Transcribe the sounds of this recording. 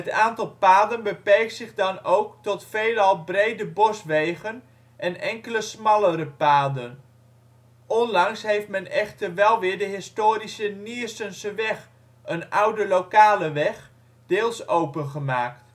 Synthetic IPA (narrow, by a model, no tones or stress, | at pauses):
ətaːntɑlˠpaːdənbəpɛrk̚tsɪχdɑnowktɔtfejlɑlˠbrejdəbɔsʋejχən | ʔɛnɛŋkələsmɑlˠəɾəpaːdən | ɔnlɑŋsɦejft̚mɛnɛχtərʋɛlˠʋɪːɹdəɦɪstoːɾisəniəstənsəʋɛχ | ənʌwdəlowkaːləʋɛχ | d̥ɪːlˠsowpənχəmaːkt